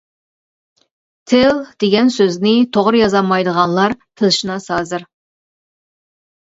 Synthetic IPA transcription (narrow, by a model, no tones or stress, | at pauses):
t̪ʰɪld̪̥eɡʲɛnsøznɪt̪ʰoʁɾɨjɑzɑmɑjd̪əʁɑnlˠɑɾpʰɨlˠɨʃɨnɑsɑːzɨɾ